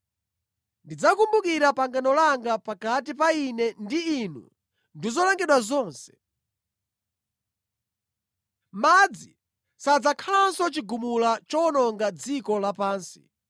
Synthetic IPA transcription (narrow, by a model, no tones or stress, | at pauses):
ndid͡zakumbukiɾapaŋɡanɔlaŋɡapakat̬ipainɛndiːnṵ | ndizɔlaŋɡɛɗwazɔːnsɛ̥ | mad͡zi | sad͡zakʰalansɔt͡ʃiɡumulat͡ʃɔnɔŋɡad͡zikɔlapaːnsi̥̰